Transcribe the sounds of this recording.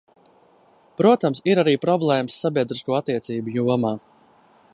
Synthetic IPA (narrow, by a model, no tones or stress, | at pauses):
pɾuɔt̪amsiɾaɾiːpɾɔblˠɛːməsːabʲiɛd̪ɾiskuːat̪ːiɛt̪siːbujuɔmaː